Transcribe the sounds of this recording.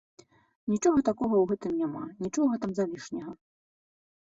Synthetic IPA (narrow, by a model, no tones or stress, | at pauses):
nʲit͡ʂɔɣɐt̪akɔɣɐwɣɛt̪ɨmnʲamanʲit͡ʂɔɣɐt̪amzalʲiʂnʲɐɣɐ